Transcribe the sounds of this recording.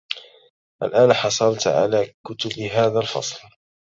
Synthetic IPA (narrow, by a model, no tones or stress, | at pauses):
ʔalʔaːnħɑsˤɑlt̪ʕa̰laːkʊt̪ʊbɦaːðalfɑ̰sˤl